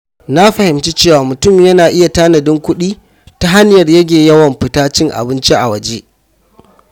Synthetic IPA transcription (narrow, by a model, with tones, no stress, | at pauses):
na˦ɸɐ˨hɪ˨mt͡ʃi˦t͡ʃeː˦˨waː˨mʊ˨tʊ˦˨mjɐ˦naː˨ʔɪ˦ja˨taː˦nɐ˨dɪ˦ŋkʷʊ˦ɗiː˦ | ta˦ɦa˦n˦jɐ˨rjɐ˦ɡʲeː˨jɐ˦wɐ˨mɸɪ˦taː˦t͡ʃɪ˦ŋʔa̰˨bɪ˦nt͡ʃi˦ʔa̰˨wɐ˨d͡ʒe˦ʔ